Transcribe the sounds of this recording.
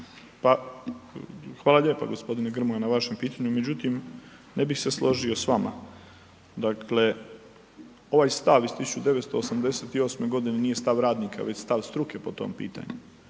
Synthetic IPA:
pa | xʋaːlaʎe̞ːpa̰ɡo̞spo̞d̪ineɡr̩muɡanaʋaʃe̞mpiːt̪aɲume̞d͡ʑut̪imnebixse̞slˠo̞ʒio̞sʋama̰ | d̪akʰle̞ | o̞ʋajst̪aʋizst̪isu̥t͡ʃud̪eʋet̪st̪o̞ːsamd̪e̞set̪io̞ːsme̞ɡo̞d̪inenije̞st̪aʋɾaːd̪nikʰa̰ʋe̞t͡ɕst̪aʋst̪ɾuke̞po̞t̪o̰mpḭːt̪a̰ɲu

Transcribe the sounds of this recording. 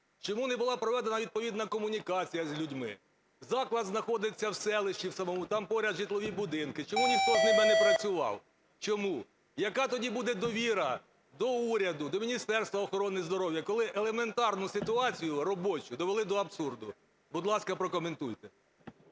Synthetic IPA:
t͡ʃɔmunɛbʊlˠɑpɾɔʋɛd̪enɐʋʲid̪̚pɔʋʲid̪nɐkɔmʊnʲikɑt͡sʲijɐzʲlʲudʲmɪ̰ | zɑklˠɐd̪znɐxɔd̪ɪt͡sʲːɐwsɛlˠɪʃt͡ʃiwsɐmɔmut̪ɑmpɔɾʲɐd̪ʒit̪lˠɔʋʲibʊd̪ɪnkɪt͡ʃɔmuʋʲipɔʒnʲɪmɛnɛpɾɐt͡sʲʊʋɑ̰w | t͡ʃɔmu | jɐkɑt̪ɔdʲibud̪ɛd̪ɔʋʲiɾɐ | d̪ɔuɾʲɐd̪ʊd̪ɔmʲinʲist̪ɛrst̪ʋɐɔxɔɾɔnɪzd̪ɔɾɔwjɐkɔlˠɪʔelˠeme̞nt̪ɑrnʊsɪt̪ʊɑt͡sʲijʊrɔbɔt͡ʃʊd̪ɔʋelˠɪd̪ɔɐbsurd̪ʊ | bʊd̪lˠɑskɐpɾɔkɔme̞nt̪ujt̪ɛ

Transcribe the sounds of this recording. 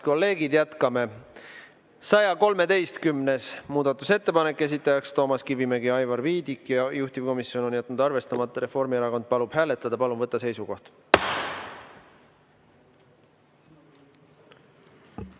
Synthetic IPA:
ko̞lːe̞ːɡ̥id̪jæt̪kɑme̞ | sɑjɑko̞lme̞t̪e̞jst̪kymne̞smuːd̪̥ɑt̪ːˑuse̞t̪ːe̞pɑne̞kˑːe̞s̬it̪ːˑɑjɑkst̪o̞ːmɑskivimeɡiɑjvɑrviːd̪ikːjɑjuht̪ivko̞misːio̞no̞njæt̪ːˑnud̪̥ɑrve̞st̪ɑmɑt̪ˑːɑɾe̞fo̞rmieɾɑko̞nd̪̥̚pɑlub̥ɦæːle̞t̪ːˑɑd̪̥ɑpɑluvɤt̪ːˑɑse̞jsuko̞ht̪

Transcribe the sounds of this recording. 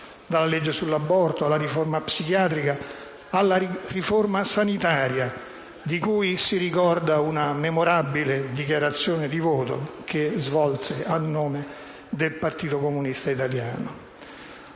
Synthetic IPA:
d̪alːaled͡ʒːesulːabːɔrt̪oalːaɾiformapsikjaːt̪ɾikaː | lːariformasanit̪aːɾja | d̪ikuːjsiɾikɔrd̪aunamemoɾabiled̪ikjaɾat̪sːjoːned̪ivoːt̪o̰kʰezvɔlseanːoːme | d̪elpart̪iːt̪okomunist̪ait̪aljaːno

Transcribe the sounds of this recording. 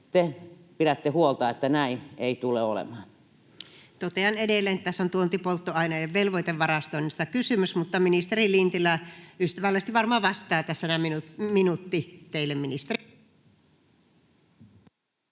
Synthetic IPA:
t̪epiɾæt̪ːehuolt̪ɑːet̪ːænæineit̪uleolḛmɑːn | t̪ot̪eɑnedelːˑeːnet̪t̪æsːont̪uont̪ipolt̪ːoɑinɑjeʋʋelʋoit̪eʋʋɑrɑst̪oˑinːist̪ɑkysymysmut̪ːɑminist̪erilint̪ilːˑæyst̪æʋælːest̪iʋʋɑrmoɑʋɑst̪ˑɑːt̪æsːænæminuminut̪ːit̪eilːemminist̪eri

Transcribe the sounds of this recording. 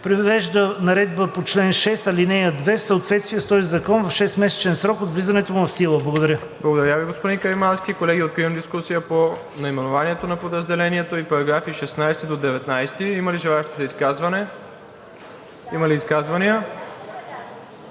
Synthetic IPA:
pɾivɛʒd̪ənɐɾɛd̪bəpot͡ʃlɛnʃɛst̪ɐlinɛjəd̪vɛfsəot̪vɛt̪st̪vijəst̪ɔzizɐkɔnvɐfʃɛst̪mɛsɛ̥t͡ʃɛnsɾɔkod̪vlizɐnɛt̪omuvɐfsilˠəblˠɡod̪ɐɾʲə | blˠɐɡod̪ɐɾjaviɡospod̪inkɐjmansk̟ikolɛɡʲiot̪̚kɾiəmd̪iskusijəpo | nɐimɛnovaniɛt̪onɐpod̪ɾəzd̪ɛlɛniɛt̪oipɐɾɐɡɾafiʃɛsnajsɛt̪id̪od̪ɛvɛt̪najst̪iimɐliʒɛlˠaɛʃt̪i̥sɛiskazvɐnɛ | imɐliːskazvɐniə

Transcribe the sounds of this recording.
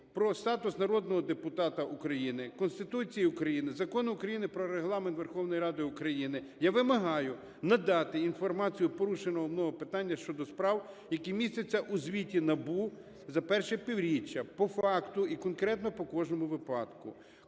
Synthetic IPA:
pɾɔst̪ɑt̪ʊsnɐɾɔd̪nɔɦɔd̪epʊt̪ɑt̪ɐʔukɾɐjinɪkɔnst̪ɪt̪ut͡sʲijiʊkɾɐjinɪzɐkɔnʊʊkɾɐjinɪpɾɔɾeɦlˠɑment̪ʋerxɔwnɔjɾɑd̪ɪʊkɾɐjinɪjaʋɪmɐɦɑjʊ | nɐd̪ɑt̪ɪinfɔrmɑt͡sʲijʊpɔɾuʃenɔɦɔmnɔɦɔpɪt̪ɑnʲːɐʃt͡ʃɔd̪ɔspɾɑw | jɐkimʲisʲt̪et͡sʲːɐʔuzʲʋʲitʲinɐbu | zɐpɛrʃɛpʲiwɾʲit͡ʃːɐpɔfɑkt̪ʊikɔnkɾɛt̪nɔpɔkɔʒnɔmʊʋɪpɑd̪̥kʊ̰

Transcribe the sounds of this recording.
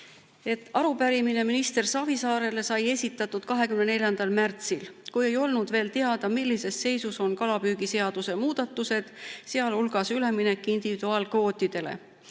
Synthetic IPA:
e̞t̪ːˑɑɾupæɾimine̞minist̪e̞rsɑvisɑːɾe̞le̞sɑje̞sʲit̪ːˑɑt̪ːˑud̪̥kɑɦe̞kymnene̞ljɑnd̪̥ɑlmært̪silkuje̞jo̞lnud̪̥ve̞ːlt̪e̞ɑd̪̥ɑmilːise̞sːe̞jsuso̞nkɑlɑpyːɡ̥ise̞ɑd̪use̞muːd̪̥ɑt̪ːˑuse̞d̪̥seɑlulɡ̥ɑsyle̞mine̞kːˑind̪̥ivid̪̥uɑːlkvo̞ːt̪ːˑid̪̥e̞le̞̰

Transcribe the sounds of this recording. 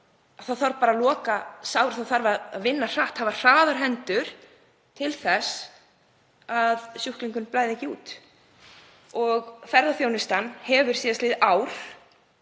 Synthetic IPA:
aθaðθaɾpaːɾalɔːkasawʏɾ̥θaθaɾvaa̰ðvɪnːar̥aht̪havar̥aːðaɾ̥ɦɛnt̪ʏɾ̥ | t̪ʰɪlθɛs | aðsjuhkliŋkʏnplaːjðɛcːɪṵːt̪ | ɔɣfɛɾðafjoːwnɪst̪anhɛvʏɾ̥siːðaslɪːðaːwɾ̥

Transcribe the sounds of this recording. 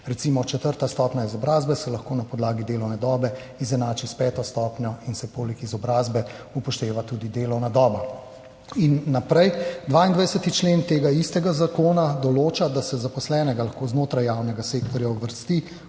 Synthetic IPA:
ɾɛtsimɔt͡ʃɛt̪əɾt̪ast̪ɔpnʲaizɔbɾaːzbɛsɛlaxkoːnapɔd̪laːɡid̪eːlɔwnɛd̪ɔːbɛ | izɛnaːt͡ʃispɛːt̪ɔst̪ɔːpnjɔinsɛpoːlɛkizɔbɾaːzbɛupɔʃt̪eːʋat̪ud̪id̪eːlɔwnad̪ɔːba | inːapɾɛjd̪ʋaːind̪ʋajsɛt̪it͡ʃleːnt̪eːɡaist̪ɛɡazakoːnad̪ɔloːt͡ʃad̪asɛzapɔslɛːnɛɡalɐxkoːznoːt̪ɾajːaːwnɛɡaseːk̚t̪ɔɾjawʋəɾst̪i

